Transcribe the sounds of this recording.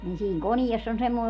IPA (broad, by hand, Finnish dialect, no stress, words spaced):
nin siːŋ koniesː on semːoˑe